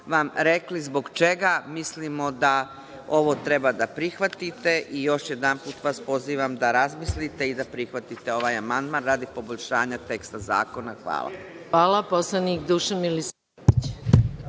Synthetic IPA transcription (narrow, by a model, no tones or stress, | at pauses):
ʋamɾe̞klizbo̞ɡt͡ʃe̞ɡamislimo̞d̪a | o̞ʋo̞t̪ɾe̞bad̪apɾixʋat̪it̪e̞ʔijo̞ʃjed̪anpuːt̪ʋaːspo̞ziːʋamd̪aɾazmislit̪e̞id̪apɾixʋat̪it̪e̞o̞ʋajamand̪manɾaːd̪ipo̞boʎʲʃaːɲat̪e̞kst̪aza̰ːko̞naxʋa̰ːlˠa̰aːlˠaposlˠanikd̪uːʃamilisa | tit͡ɕ